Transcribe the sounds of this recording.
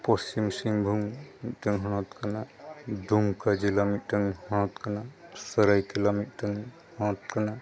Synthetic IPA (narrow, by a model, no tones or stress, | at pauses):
pɔst͡ʃimsiŋbʱuŋmit̪̚təŋɦɔñɔt̪kanad̪uŋkad͡ʒilamit̪̚ʈəŋhɔñɔt̪kanasəɾajkelamit̪̚ˀtəŋ | hɔ̃ɔt̪̚kana